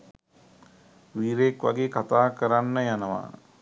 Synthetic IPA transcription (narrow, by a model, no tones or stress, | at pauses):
ʋiːɾekʋa̰ɡeːkat̪aːkəɾanːəjanəʋa̰